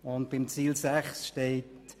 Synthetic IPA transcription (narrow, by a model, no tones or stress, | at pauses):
ʊnt̚b̥ɪmt͡siːlsæχsʃteɪt